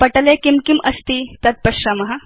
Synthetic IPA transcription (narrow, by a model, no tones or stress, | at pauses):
pɐʈəlekimkimʔɐst̪it̪ɐt̪̚pɐʃamɐɦa